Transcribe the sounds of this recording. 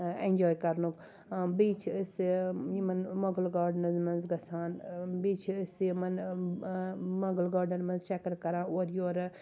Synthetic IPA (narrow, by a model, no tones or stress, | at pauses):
enʲd͡ʒoːjkɐɾnuk | biːt͡ʃʰəsjimɐnmɐɡəlɡaːɾɖnɐzmɐnzɡɐsaːnbiːt͡ʃʰːsjimɐn | mɐɡəlɡaːɾɖɐnmɐnzt͡ʃɛkɐɾkɐɾãːoɾjoːɾ